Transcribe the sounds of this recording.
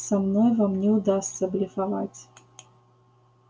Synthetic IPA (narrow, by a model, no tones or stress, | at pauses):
samnɔjvamnʲɛwd̪ast̪sɐblʲifava̰t͡sʲ